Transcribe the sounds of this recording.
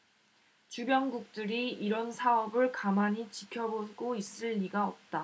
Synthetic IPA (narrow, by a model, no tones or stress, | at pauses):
t͡ɕubjʌŋɡuk̚t͈ɯɾiiɾʌnsʰaʌbɯɭkamaɲit͡ɕikʰjʌboɡois͈ɯɭːiɡaʌp̚t͈a